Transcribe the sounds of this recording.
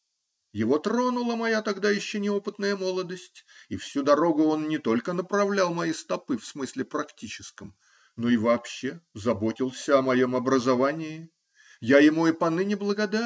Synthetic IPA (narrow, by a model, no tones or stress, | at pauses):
jɪvo̞t̪ɾo̞nʊlˠəmɐjat̪ɐɡd̪ajɪɕːonʲɪo̞pɨt̪nəjəmo̞lˠəd̪əsʲtʲifsʲud̪ɐɾo̞ɡʊo̞nːʲɪt̪o̞lʲkənəpɾɐvlʲalˠmɐjist̪ɐpɨfsmɨsʲlʲɪpɾɐktʲit͡ɕɪskəm | no̞ɪvɐːpɕːezɐbo̞tʲɪlˠsʲəɐmɐjo̞mɐbɾəzɐvanʲɪɪ | jajɪmuɪpɐnɨnʲɪblˠəɡɐd̪a